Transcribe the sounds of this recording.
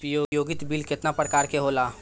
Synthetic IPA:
jojoːɡɪt̪bilkɪt̪napɾəkaːɾkeɦoːlaː

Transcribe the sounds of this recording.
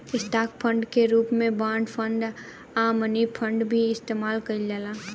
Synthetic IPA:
ɪsʈaːk̚pʰə̃ɳɖkeɾuːpmẽbãːɳɖpʰə̃ɳɖ | aːmənipʰə̃ɳɖbʱiɪst̪eːmaːlkəid͡ʒəlaː

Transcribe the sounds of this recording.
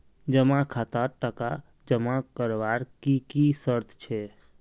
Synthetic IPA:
d͡ʒəmãkʰat̪aʈəka | d͡ʒəmãkəɾʋaɾkikisəɾt̪ʰt͡ʃʰɛ

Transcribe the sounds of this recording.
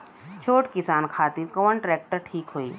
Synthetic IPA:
t͡ʃʰoːʈkɪsaːnkʰaːt̪ɪɾkɔːənʈɾɛːk̚ʈəɾʈʰiːkɦoːḭː

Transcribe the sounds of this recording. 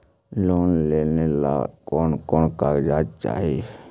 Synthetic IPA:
loːnleːnela̰kɔːnkɔːnkaːd͡ʒaːd͡ʒt͡ʃa̰ːɦiie

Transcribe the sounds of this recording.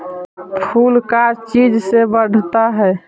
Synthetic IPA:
pʰulkat͡ʃid͡ʒsebəɖ̤ʱt̪aɦɛː

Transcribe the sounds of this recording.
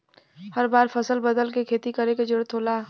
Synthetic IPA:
həɾbaːɾfʰəsəlbəd̪əlkekʰeːt̪ikəɾeked͡ʒʊɽət̪ʰɦoːlaː

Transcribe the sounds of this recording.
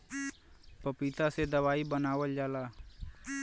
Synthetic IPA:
pəpiːt̪ased̪əwaːibənaːwəld͡ʒaːlaː

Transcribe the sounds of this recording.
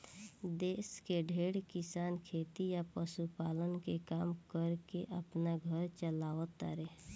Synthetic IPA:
d̪eːskeɖʱeɽkɪsaːnkʰet̪ijapəsupaːlənkekaːmkəɾkeʔəpnaɡʱəɾt͡ʃəlaːʋət̪a̰ɾe

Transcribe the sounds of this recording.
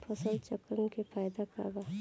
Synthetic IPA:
pʰəsəlt͡ʃəkɾəmkepʰaːjd̪aka̰ɾba

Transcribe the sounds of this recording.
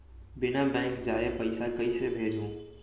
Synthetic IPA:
bɪnabɛ̃ːŋkd͡ʑaːepɐɪsakɐisebʱeːd͡ʑʱũː

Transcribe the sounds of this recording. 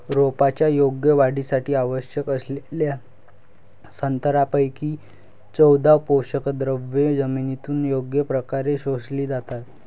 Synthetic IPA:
ɾopat͡ɕjajoɡjəʋaɽisaʈiːaʋəɕjəkəslelja | sənt̪əɾapəjkiː | t͡səwd̪ʱapowɕəkəd̪ɾəʋed͡zəminit̪uːnjoɡjəpɾəkaɾeɕosliːd͡zat̪at̪̚

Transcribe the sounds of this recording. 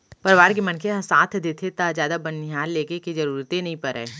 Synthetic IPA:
pɐɾʋaːɾk̬emɐnkʰeɦɐ̃saːt̪ʰd̪eːt̪ʰet̪ad͡ʒjaːd̪abɐnːɪɦaːlːeːkekid͡ʒɐɾuːɾt̪ẽnɐɦĩpɐɾɛ̰ː

